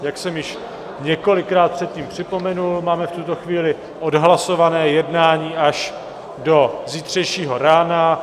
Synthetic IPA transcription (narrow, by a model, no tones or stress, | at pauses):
jaksɛmjɪʃ | ɲɛko̞lɪkɾaːt̪̚pr̥ɛt̪̚ciːmpr̝̥ɪpo̞mɛnulmaːmɛft̪ut̪o̞xviːlɪ | ʔo̞dɦlaso̞vanɛːjɛdnaːɲiːʔaʃ | do̞ziːt̪r̝̥ɛjʃiːɦo̞ɾaːna